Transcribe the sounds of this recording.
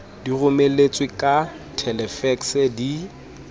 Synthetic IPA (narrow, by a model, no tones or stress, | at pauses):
dirʊmelet͡sʼwɪkʼa | tʰɛlɛfɛksɛdi